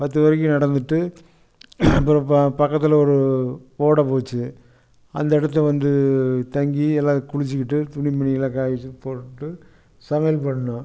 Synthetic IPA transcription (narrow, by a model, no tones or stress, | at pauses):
pɐt̪ːɯʋɐɾɪk̬ːɯnɐɽɐnd̪ɯʈːɯ | pɾɐpɐkːɐt̪ːɪlɐɔɾɯoːɽɐpoːt͡ʃːɯ | ɐ̰nd̪ɐɪɽɐt̪ːɛʋɐnd̪ɯt̪ɐŋɡiɛlːaːðɯkʊɻɪt͡ʃːɯkːɪʈːɯt̪ʊɳɪmɐɳɪjɪlɐkaːjɪt͡ʃːɯpoːʈɯʈːɯ | sɐmɐjɐlpɐɳːɐnɐ̃